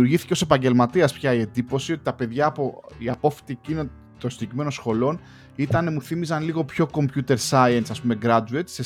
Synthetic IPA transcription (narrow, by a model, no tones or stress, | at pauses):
uɾʝiθi̥ceo̞se̞pɐɲɟe̞lmɐt̪iɐspçɐie̞nd̪ipo̞sio̞t̪i̥t̪ɐpe̞ðʝɐːpoiɐpo̞fi̥t̪icine | t̪osidecime̞no̞sxo̞lo̞n | it̪ɐne̞muθimizɐnliɣo̞pço̞ko̞mpçut̪e̞ɾsɐiɐnsɐspume̞ɡɾɐduet̪se